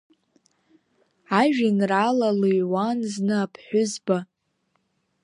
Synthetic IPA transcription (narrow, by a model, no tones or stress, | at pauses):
aʒᶣinralaluɥwanznɨapʰħʷᶣʊzba